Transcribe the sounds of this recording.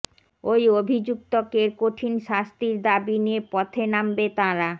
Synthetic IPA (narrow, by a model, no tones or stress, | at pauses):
ojobʱid͡ʑuk̚t̪okeɾkoʈʰinʃast̪iɾd̪abiniepɔt̪ʰenambet̪aɾa